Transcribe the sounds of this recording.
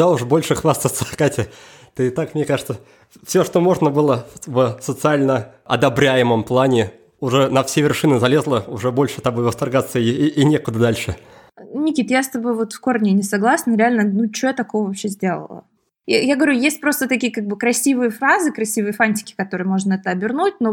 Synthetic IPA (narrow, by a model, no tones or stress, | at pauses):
d̪aʊʐbo̞lʲʂɨxvast̪əfsɐxkatʲɪ | t̪ɨɪt̪akmnʲekaʐɨt̪sə | fsʲoʂt̪omo̞ʐnəbɨlˠəvsət̪sɨalʲnə | ɐ̰d̪ɐbɾʲæjɪməmplˠanʲɪ | ʊʐɛnɐfsʲevʲɪrʂɨnɨzɐlʲe̞zlˠəʊʐɛbo̞lʲʂɨt̪abovəst̪ɐrɡat̪sːəiːnʲekʊd̪əd̪alʲʂɨ | nʲɪkʲit̪jast̪ɐbo̞jvo̞t̪fkornʲɪnʲɪsɐɡlˠasnəɾʲɪalʲnənut͡ɕojt̪ɐko̞vəvɐpɕezʲdʲe̞lˠə̰lˠə̰ | jaɡəvɐɾʲujesʲt̚ʲpɾo̞st̪ət̪ɐkʲijəkaɡ̚bɨkɾɐsʲivɨjəfɾazɨkɾɐsʲivɨjəfanʲtʲɪ̥kʲɪ̥kɐt̪o̞ɾɨjəmo̞ʐnəɛt̪əɐbʲɪrnut̚ʲno